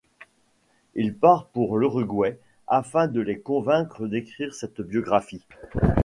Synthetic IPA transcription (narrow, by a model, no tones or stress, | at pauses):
ilpaʁpuʁləʁyɡwɛ | afɛ̃d̪əlekɔ̃vɛ̃kχəd̪ekχiʁsɛt̪bjɔɡʁafi